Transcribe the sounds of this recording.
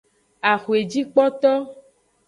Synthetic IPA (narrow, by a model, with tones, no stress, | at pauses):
a˨xu˨e˨d͡ʒi˦k͡pɔ˦t̪ɔ˦